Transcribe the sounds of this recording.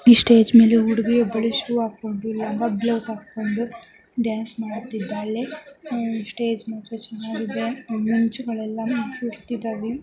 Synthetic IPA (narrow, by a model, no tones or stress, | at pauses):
isʈe̞ːd͡ʒme̞ːleuɽiɡijɔbːɐɭuʃuɾuːaːkːo̞ɳɖulɐŋɡɐbloʋsaːkːo̞ɳɖu | ɖjaːnsmaːɽut̪ːid̪ːaːlːe | sʈeːd͡ʒmɐk̪ɾet͡ʃɛnːaːɡid̪emiɲt͡ʃuɡɐɭɛlːɐmɐnsuɾt̪id̪aːʋi